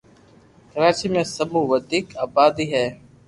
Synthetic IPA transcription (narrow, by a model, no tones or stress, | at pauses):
kəɾaːt͡ʃiːmẽːsəbʱũːʋəd̪ʱiːkaːbaːd̪iːɦɛː